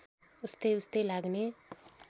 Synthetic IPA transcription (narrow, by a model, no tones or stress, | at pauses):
ust̪eust̪elaɡne